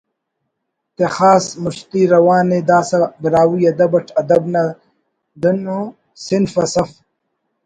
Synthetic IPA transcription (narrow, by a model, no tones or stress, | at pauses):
t̪exaːsmuɕt̪iɾɐwaːned̪aːsɐbiɾaːwujɐd̪ɐbɐʈʰɐd̪ɐbna | d̪ɐno | sinfɐsɐf